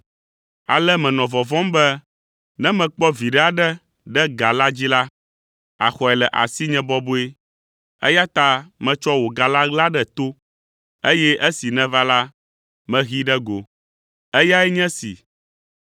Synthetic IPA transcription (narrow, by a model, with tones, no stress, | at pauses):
a̰˨lɛ˦mɛ̃˨nɔ̃˨vɔ˨vɔ̃˦mbɛ˦ | nɛ̃˦mɛ̃˨k͡pɔ˦vi˨ɖɛ˦a˨ɖɛ˦ | ɖɛ˦ɡa˨la˦d͡ʑi˦la˦ | a̰˨xɔ˨ɛ˨lɛ˨ʔa̰˨si˦ɲɛ̃˦bɔ˦bo˦e˦ | ɛ̰˦ja˦t̪a˦mɛ̃˨t͡ʃɔ˦wo˨ɡa˨la˦ɡla˦ɖɛ˦t̪o˦ | e˦jɛ˦ʔe˦si˨nɛ̃˦va˦la˦ | mɛ̃˨ɣi˦ɖɛ˦ɡo˨ | ɛ˦ja˦ɛ˦ɲɛ̃˦sḭ˨